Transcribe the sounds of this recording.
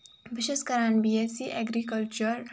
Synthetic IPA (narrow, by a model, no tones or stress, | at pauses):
ʋiʃeskəɾanbiesiʔɛɡɾikəlt͡ʃəɾ